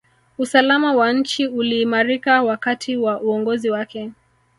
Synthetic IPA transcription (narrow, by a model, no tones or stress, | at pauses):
usalamawaɲ̩t͡ʃiuliːmaɾikawakatʰiwaʔuɔŋɡɔziwakɛ